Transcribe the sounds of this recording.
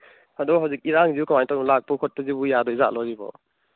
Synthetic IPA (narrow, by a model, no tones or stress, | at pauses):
adubɔɦawzik̚iɾaŋziukamanitɔmlak̚pɔkʰɔt̚pɔzibujadɔiza̰ʔ̚lɔɾibɔ̰